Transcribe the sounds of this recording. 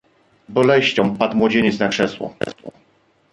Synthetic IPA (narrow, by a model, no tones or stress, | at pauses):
bɔlɛɕt͡ɕɔ̃mpat̪mwɔd͡ʑeɲɛt̪snakʂɛswɔ̰